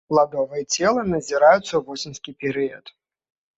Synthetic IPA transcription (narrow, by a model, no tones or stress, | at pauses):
plˠad̪ɔvɐjɛt͡sʲɛlˠɐnɐzʲiɾajut̪sːɐuvɔsʲinskʲipʲɛɾɨjɐt̪